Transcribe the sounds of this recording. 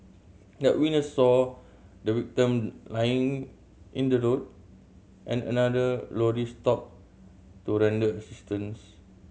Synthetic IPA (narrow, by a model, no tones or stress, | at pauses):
dɛʔ̚winəsːɔ | dəwik̚tə̃mlajĩŋ | ʔĩndəɹot̚ | ʔɛ̃nə̰nadəlɔɹistɔp̚ | tuɹɛ̃ndəəsistə̃ns